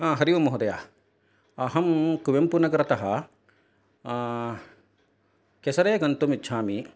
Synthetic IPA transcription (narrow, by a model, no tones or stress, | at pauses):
ɐɦɐɾiʋɐmoɦud̪ɐjaː | ɐɦɐmkuʋjɐmpunɐkɐɾɐt̪ɐɦɐ | kesɐɾeːkɐnt̪umitːʃʰaːmi